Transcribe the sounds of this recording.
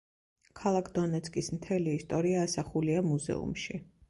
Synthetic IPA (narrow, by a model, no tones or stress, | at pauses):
kʰalˠakʰd̪ɔnɛt̪sʰkʼismt̪ʰɛliːst̪ʼɔɾiaːsaχuliamuzɛ̰ṵmʃi